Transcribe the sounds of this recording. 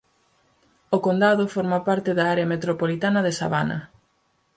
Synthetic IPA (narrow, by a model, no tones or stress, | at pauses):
okond̪aðofoɾmapaɾt̪ɪðaaɾeɐmet̪ɾopolit̪anɐðesa̰βanɐ̰